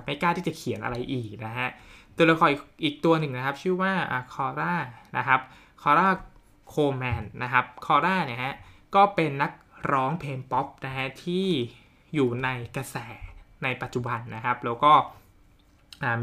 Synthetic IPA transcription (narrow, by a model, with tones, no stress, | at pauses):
pma˥˩jkaː˥˩t̪ʰiː˥˩t͡ɕa˨˩kʰi˨˩˦nʔa̰˧ɾa˧jʔiː˨˩k̚na˦˥kʰa˦˥ʔt̪u˧la˧kʰɔː˧˩ʔi˨˩ʔiː˨˩k̚t̪u˧ɐnɯ˨˩ŋna˦˥kʰa˦˥p̚t͡ɕʰɯː˥˩waː˥˩ʔa̰ː˨˩kʰɔː˧ɾaː˥˩na̰˦˥kʰa˦˥p̚ | kʰɔː˧ɾaː˥˩ | kʰoː˧mɛː˧nna˦˥kʰa˦˥p̚kʰɔː˧ɾaː˥˩ni˦˥˩ha˦˥ʔkɔː˥˩pe˧nːa˦˥k̚ɾɔː˦˥ŋpʰeː˧npɔ˦˥p̚na˦˥kʰa˦˥t̪ʰiː˥˩ | juː˨˩na˧jka˧sɛː˩˦na˧jpa˨˩t̪̚t͡ɕu˨˩ba˧nːa˦˥kʰa˦˥p̚lɛː˦˥wkɔː˥˩ | ʔaː˨˩